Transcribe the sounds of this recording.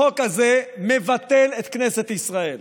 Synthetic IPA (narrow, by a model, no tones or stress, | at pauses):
o̞kazeme̞vat̪e̞let̪kne̞se̞t̪isʁael